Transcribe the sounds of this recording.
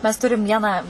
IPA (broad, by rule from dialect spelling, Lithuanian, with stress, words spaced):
mʲɛs ˈtʊrʲɪm ˈʋʲiɛnɑː